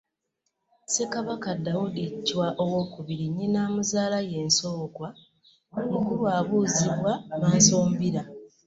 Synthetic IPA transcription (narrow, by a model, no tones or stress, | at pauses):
se̞kaβakadawudicːwaʔo̞wo̞kuβiɾiɲːinaːmuzaːlaje̞ːnso̞ːkwa | mukulwaːβuːziβwamaːnso̞ːmbiɾa